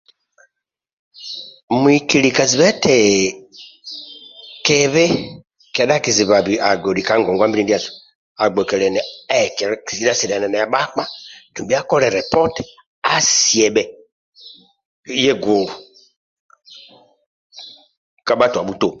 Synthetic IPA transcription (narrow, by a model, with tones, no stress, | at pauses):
mu˨˦i˨ki˨li˨ka˨zi˨βɛ˦tɛ˨ | kɛ˨βɛ˦ | kɛ˨ɗa˦˨ki˨zi˨βa˨bi˨a˨ɡo˨di˨ka˨˦ŋɡɔ˨ŋ˨ɡwa˦m˦bi˦i˦di˦a˦˨zu˨ | a˨ɡ͡bɔ˨kɛ˨lɛ˨nɛ˨˦˨kɛ˨ki˨zi˦a˦sɛ˨da˨nɛ˨nɛ˨a˨˦ɓa˦k͡pa˦˨tu˨bi˦a˦kɔ˦ɾɛ˨ɾɛ˨pɔ˦t | a˦si˨ɛ˨ɓɛ˨˦ | e˦ɡo˨ | ka˨ɓa˦tu˨a˨ɓu˦to˦˨